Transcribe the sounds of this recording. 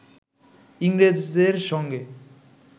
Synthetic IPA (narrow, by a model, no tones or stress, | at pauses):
iŋɡɾed͡zd̪eɾsʌŋɡe